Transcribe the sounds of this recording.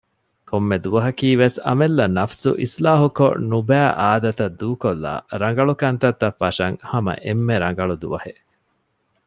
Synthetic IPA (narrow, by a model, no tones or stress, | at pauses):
komːed̪uʋɐɦɐkiːʋesɐ̰melːɐnɐfsṵʔislaːɦuko̰nubæːʔaːd̪ɐt̪ɐd̪ːuːkolːa̰ːɾɐŋ̆ɡɐɭukɐnt̪ɐt̪ːɐfːɐʃɐŋhɐmɐ̰ʔemːeɾɐŋɡɐɭud̪ṵʋɐhe